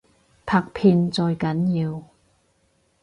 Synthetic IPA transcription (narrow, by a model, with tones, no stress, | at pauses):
pʰaː˧k̚pʰiː˧nt͡sɔː˧jkɐ˨˥njiː˧w